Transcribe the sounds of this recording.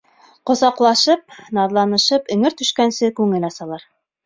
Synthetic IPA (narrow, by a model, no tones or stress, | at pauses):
qŏzɑqlˠɑʃɤp̚nɑðlˠɑnɤ̆ʃɤpɵ̆ŋɘɾt̪ɵ̆ʃkænsɘkʉŋɘ̆nɑsɑlˠɑɾ